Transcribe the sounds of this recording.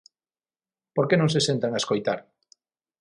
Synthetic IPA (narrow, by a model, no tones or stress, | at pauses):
poɾkenõŋs̬esẽnt̪aŋaeskojt̪aɾ